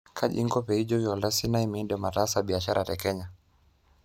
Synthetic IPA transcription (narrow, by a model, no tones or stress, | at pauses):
kʰaʄḭŋɡɔpɛid͡ʒɔiɔlasinaimindɛamataːsaɓiaʃaɾʔatɛkɛɲa